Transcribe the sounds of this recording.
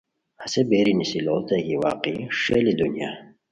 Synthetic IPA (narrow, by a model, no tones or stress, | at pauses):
hasebeɾinisiloːt̪ɐkiwa̰ːqiʂelid̪unja̰